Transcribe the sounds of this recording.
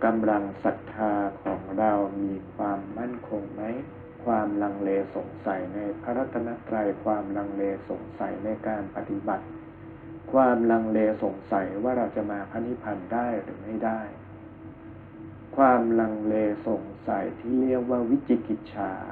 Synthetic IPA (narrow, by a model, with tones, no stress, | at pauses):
ka˧mla˧ŋsa˨˩k̚t̪ʰːaː˧kʰɔː˩˦ŋɾa˧wmiː˧kʰwaː˧mːa˥˩nkʰo˧ŋma˦˥j | kʰwaː˧mla˧ŋleː˧so˨˩˦ŋsa˩˦jna˧jpʰa˦˥ɾa˦˥t̪ʰːa˧na˦˥t̪ɾa˧jkʰwaː˧mla˧ŋleː˧so̰˨˩˦ŋsa̰˨˩˦jna˧jkaː˧npa˧t̪i˧ba˨˩t̪̚ | kʰwaː˧mla˧ŋleː˧so˨˩˦ŋsa˩˦jwaː˥˩ɾa˧wt͡ɕa˨˩maː˧pʰa˧˥ni˦˥pʰa˧ndaː˥˩jɾɯː˩˦ma˥˩jdaː˥˩j | kʰwaː˧mla˧ŋleː˧so˨˩˦ŋsa˨˩˦jt̪ʰiː˥˩li˥˩ək̚waː˥˩wi˦˥t͡ɕi˧˩ki˨˩t̪̚t͡ɕʰaː˧